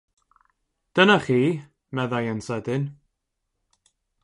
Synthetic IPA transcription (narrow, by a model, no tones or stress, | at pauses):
d̥ənaχiː | mɛðajənsɛdɪn